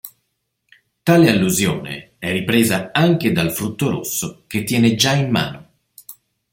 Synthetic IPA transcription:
t̪aːlealːuzjoːnḛ | ɛrːipɾeːzaaŋk̟ed̪alfɾut̪ːoɾo̰sːok̟et̪ːjɛːned͡ʒaimːa̰ːno

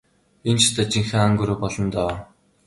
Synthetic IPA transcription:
int͡ɕt̪aːt͡ɕiŋxeːaŋɡɵɾoːpɔɮɞ̆nt̪aw

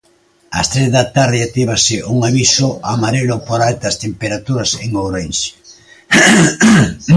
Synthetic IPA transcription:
ɐ̰st̪ɾezðat̪aɾðɪat̪iβ̞asɪʔuŋaβisʊʔamaɾelʊpoɾalt̪ɐst̪empeɾat̪uɾɐseŋoɾens

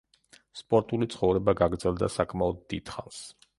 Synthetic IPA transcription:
spʼɔɾt̪ʼulit̪sʰχɔvɾɛbaɡaɡɾd̪zɛlˠd̪a̰sakʰʼmaɔd̪̚ːid̪̥χa̰ns

